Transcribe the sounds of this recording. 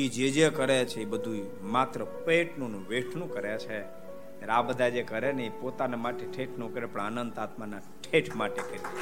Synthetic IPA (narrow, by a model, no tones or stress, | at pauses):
id͡ʒed͡ʒekəɾet͡ʃʰeibəd̪ʱũi | mat̪ɾəpəeʈnonũʋeʈʰnũkəɾjat͡ʃʰe | t̪jaɾabəd̪ʱad͡ʒekəɾeneipot̪anemaʈeʈʰeʈʰnũkəɾepəɳanənd̪at̪mana | ʈʰeʈʰmaʈekəɾi